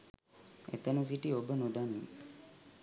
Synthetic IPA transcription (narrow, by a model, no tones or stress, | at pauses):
ḛt̪ənus̬iʈiobənod̪anim